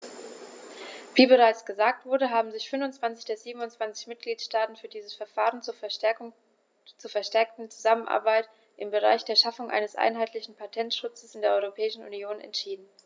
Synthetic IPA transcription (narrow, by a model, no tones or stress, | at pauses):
viːbəʁaɪt͡sɡ̥əzaːk̚tv̥ʊɐdəɦaːbm̩zɪçfʏnvʊnt͡sv̥ant͡sɪçd̥eːɐziːbm̩ʊnt͡sv̥ant͡sɪçmɪt̚ɡ̥liːtʃtaːtn̩fyːɐdiːzəsfɛɐfaːʁ̞ən̩t͡su | t͡suːɐfɛɐʃtɛɐk̚tn̩t͡su̥zamənʔa̰ɐbaɪt | ʔɪmbəʁ̞a̰ɪçd̥eːɐʃafʊŋʔa̰ɪnəsʔa̰ɪnɦaɪtlɪçn̩pʰatʰɛntʃʊt͡səsɪndeːɐʔɔʏʁopʰɛːɪʃn̩ʔṵnjoːnɛ̰ntʃiːdn̩